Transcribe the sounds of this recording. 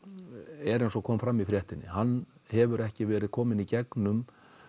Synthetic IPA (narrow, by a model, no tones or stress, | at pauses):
ɛɾejnsɔkʰɔːmfɾamːifɾjɛht̪ɪnːɪ̰hanːhɛvʏɾɛhcɪvɛːɾɪðkʰɔːmɪnicɛknʏm